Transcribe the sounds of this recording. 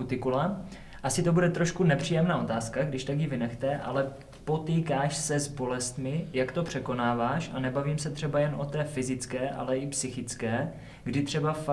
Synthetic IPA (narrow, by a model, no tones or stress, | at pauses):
ut̪ɪkula | ʔasɪt̪o̞budɛt̪ɾo̞ʃkunɛpr̝̥iːjɛmnaːʔo̞t̪aːskaɡdɪʃt̪akjɪvɪnɛxt̪ɛʔa̰lɛ | po̞t̪iːkaːʃsɛzbo̞lɛst̪mɪjakt̪o̞pr̥ɛko̞naːvaːʃa̰nɛbaviːmsɛt̪r̝̥ɛbajɛnʔo̞t̪ɛːfɪzɪt͡skɛːʔa̰lɛɪpsɪxɪt͡skɛː | ɡdɪt̪r̥ɛbaf